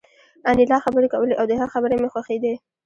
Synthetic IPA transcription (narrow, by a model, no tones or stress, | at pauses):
anilɑxabəɾekawəleʔawd̪əɦaxabəɾemexwaxed̪e